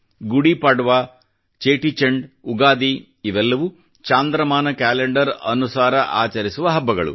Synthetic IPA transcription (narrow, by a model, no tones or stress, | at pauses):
ɡuɽipɐɽʋa | t͡ʃeːʈit͡ʃeɳɖuɡaːd̪i | iʋɛlːɐʋu | t͡ʃaːnd̪ɾɐmaːnɐkaːleɳɖɐɾɐ̰nusaːɾɐʔa̰ːt͡ʃɐɾisuʋɐɦɐbːɐɡɐɭṵ